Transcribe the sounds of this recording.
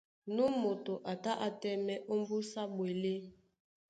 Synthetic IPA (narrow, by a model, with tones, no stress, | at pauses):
nu˦mo˨to˨ʔa˨ta˦ʔa˨tɛ˦mɛ˦ʔo˦mbu˦sa˦bwe˨le˦